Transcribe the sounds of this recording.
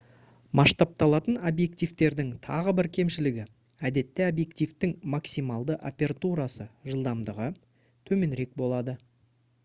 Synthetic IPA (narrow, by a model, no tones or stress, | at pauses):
mʔɑʃt̪ɑp̚t̪ɑlˠɑt̪ənobje̞k̚t̪ijft̪e̞ɾd̪ɪŋt̪ʰɑ̰ʁəbɪɾkʲʰe̞mʃɪlɪɡʲɪ | æd̪e̞t̪ːɪobje̞k̚t̪ijft̪ɪŋmɑksijmɑlˠd̪əʔo̰pʲe̞ɾt̪uɾɑsəʒəlˠd̪ɑmd̪əʁə | t̪ʰɵme̞nɾe̞k̚bo̞lˠɑd̪ə